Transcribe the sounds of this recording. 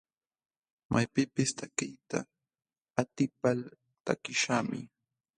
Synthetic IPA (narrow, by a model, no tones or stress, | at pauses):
majpɪpɪst̪akɪjt̪a̰ | at̪ɪpal | t̪a̰kɪʃaːmɪ̰